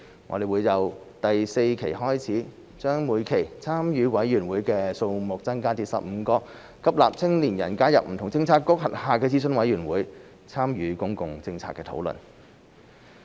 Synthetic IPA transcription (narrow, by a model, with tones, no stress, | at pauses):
ŋɔ̰˧d̪e˨˩jwuː˨˧jjɐ˨˧w | t̪ɐ˨jse˧jkʰe˨˩jɦɔː˥jt͡sʰiː˨˥ | t͡ʃœː˥ŋmuː˨˧jkʰe˨˩jt͡sʰaː˥mjyː˨˧wɐ˨˥jjyː˨˩nwuː˨˧˥jkɛː˧so˧wmʊ˨k̚t͡sɐ˥nkaː˥t͡siː˧t̚sɐ̰˨p̚m̩˨˧kɔː˧ | kʰɐ˥p̚laː˨p̚t͡sʰɪ˥ŋliː˨˩njɐ̰˨˩nkaː˥jɐ˨p̚m̩˨˩t̪ʰʊ˨˩ŋt͡sɪ˧ŋt͡sʰaː˧˥tkːʊ˥k̚ɦɐ˨t̚haː˨˧kɛː˧t͡siː˥s̬ɵ˥nwɐ˨˥jɥyː˨˩nwuː˨˥j | t͡sʰaː˥mjyː˨˧kʊ˥ŋkʊ˨ŋt͡sɪ˧ŋt͡sʰaː˧kːɛː˧t̪ʰo̰˨˥wlɵ̰˨˩n